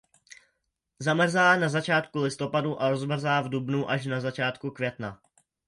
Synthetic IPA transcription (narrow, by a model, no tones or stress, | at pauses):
zamr̩zaːnazat͡ʃaːt̪kulɪst̪o̞paduʔaɾozmr̩zaːvdubnuʔaʃ̬nazat͡ʃaːt̪kukvjɛt̪na